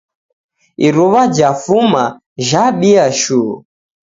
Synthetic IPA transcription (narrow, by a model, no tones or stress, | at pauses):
iɾuβad͡ʒafuma | ʒaɓiaʃuu